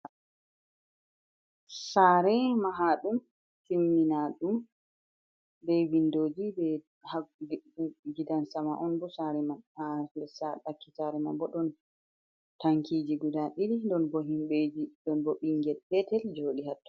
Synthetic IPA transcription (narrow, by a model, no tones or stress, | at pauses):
saːɾɛmaɦaɗum | simninaɗum | bɛwindoːd͡ʒibɛ | ha | d͡ʒidansamaʔɔnbɔsaɾɛmanadɛsaɗakːitaɾɛma̰nbɔɗɔn | taŋkʰid͡ʒiɡudaɗilindɔnbɔɦimɓɛd͡ʒidɔnbɔɓiŋɡɛlpɛtɛld͡ʒoːɗiɦatːɔ̥